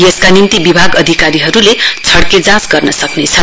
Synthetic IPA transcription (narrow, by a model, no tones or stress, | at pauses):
jeskanint̪ibibʱaɡʌd̪ʱikaɾiɦʌɾulet͡sʰʌɽked͡zãsɡʌrnʌsʌknet͡sʰʌ